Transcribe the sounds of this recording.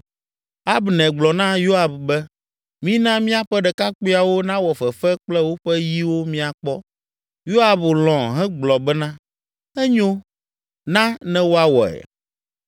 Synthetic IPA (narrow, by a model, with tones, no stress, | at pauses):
a˦bnɛ̃˨ɡ͡blɔ˨nã˦jo˦a˨bbɛ˦ | mĩ˦nã˦mĩ˦a˦ɸɛ˦ɖɛ˨ka˦k͡pe˦a˨wo˦nã˦wɔ˨fɛ˨fɛ˦k͡plɛ˦wo˦ɸɛ˦ji˦wo˦mĩ˦a˨k͡pɔ˦ | jo˦a˨blɔ̃˨ɦɛ̃˦ɡ͡blɔ˨bɛ˦nã˦ | ɛ˦ɲo˦ | nã˦nɛ̃˦wo˦a˦wɔ̰˨ɛ̰˨